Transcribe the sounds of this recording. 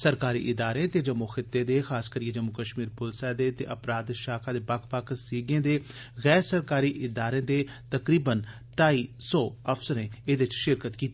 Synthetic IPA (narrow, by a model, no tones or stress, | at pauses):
səɾkaːɾḭːʔɪd̪aːɾẽːt̪eːd͡ʒəmuxɪt̪ːeːd̪eːxaːskəɾɪẽd͡ʒəmukəʃmiːɾpʊlsɛːd̪eːt̪ḛːʔəpɾaːd̪ʃaːkʰãːd̪eːpəkʰpəkʰsiːɡẽːd̪eː | ɣɛːɾsəɾkaːɾiːʔɪd̪aːɾẽːd̪eː | t̪əkɾiːbən | ʈaːiːsɔːəpʰsəɾẽːeːd̪eɪɪt͡ʃʃɪɾkət̪kiːt̪ːiː